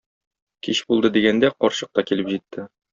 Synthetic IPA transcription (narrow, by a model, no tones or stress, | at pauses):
kiɕbulˠd̪ɤd̪iɡænd̪æqɒɾɕɤ̥̆q̚t̪ɑkilɘpʑit̪ːɘ